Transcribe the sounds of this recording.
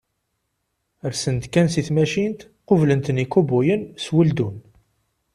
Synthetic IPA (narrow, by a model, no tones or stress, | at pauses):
əɾsənt̪kænsiθmæʃint̪ | qovlənt̪nikubujənswəld̪un